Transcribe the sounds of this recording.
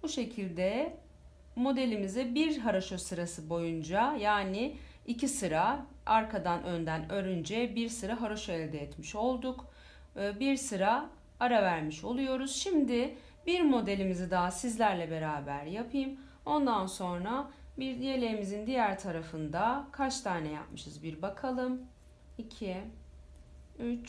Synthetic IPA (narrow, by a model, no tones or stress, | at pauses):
buʃe̞cʰilʲd̪ɛ | mo̞d̪e̞lʲimizɛbiɾɦaɾaʃo̞sɯɾasɯbo̞jund͡ʒajaːnɪ | icʰisɯɾa | aɾkʰad̪anø̞nd̪ænø̞ɾynd͡ʒɛbiɾsɯɾaɦaɾaʃoɛlʲd̪ɛjɛt̪miʃo̞lˠd̪uk | biɾsɯɾa | aɾavæɾmiʃo̞lˠujo̞ɾuz̥ʃimd̪ɪ | biɾmo̞d̪e̞lʲimizid̪aɦasizlʲæɾlʲɛbe̞ɾaːbæɾjapʰɯjɯm | o̞nd̪anso̞nɾabiɾje̞lʲemizind̪ijæɾt̪ʰaɾafɯnd̪akʰat͡ʃt̪ʰaːnɛja̰p̚mɯʃɯzbiɾbakʰalˠɯm | icʰi | yt͡ʃ